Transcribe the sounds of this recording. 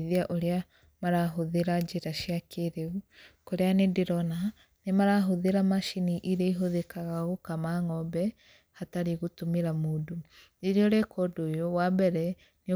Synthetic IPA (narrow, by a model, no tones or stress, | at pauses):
ðiaʔoɾea | maɾaɦoðeɾad͡ʒeɾaʃjakʰeɾeukoɾeanediɾɔna | nemaɾaɦoðeɾamaʃiniʔiɾeiɦoðekaɣaɣokamaŋɔbɛ | hataɾiɣutomiɾamoːdo | iɾiɔɾekʰɔdojowabɛɾɛ | ni